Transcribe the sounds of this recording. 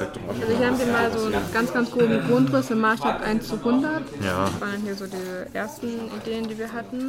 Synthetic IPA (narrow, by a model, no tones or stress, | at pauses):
ɛtːʔalzohiːɐhaːbəviːɐmaːlzoːnɡ̥ant͡sɡ̥ant͡sɡ̥ʁoːbm̩ɡʁʊntʁ̥ɪsɪmːaːsʃtaːb̚tʔa̰ɪnt͡suhʊndɐtjasv̥aːndanɦiːɐzoːdiːzəʔeːɐstn̩ideːəndiːviːɐɦatn̩